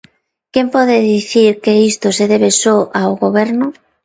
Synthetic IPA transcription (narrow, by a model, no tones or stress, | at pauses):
kempɔðeðiθiɾkeist̪oseðeβesɔʔawɣoβɛɾnʊ